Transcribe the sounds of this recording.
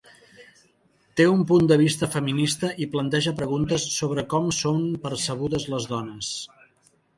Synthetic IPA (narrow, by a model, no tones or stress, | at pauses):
t̪eumpund̪əβ̞ist̪əfəminist̪əʔiplənt̪ɛʒəpɾəɣunt̪əsːoβɾəkɔmsompəɾsəɣ̞uðəzləzðɔnəs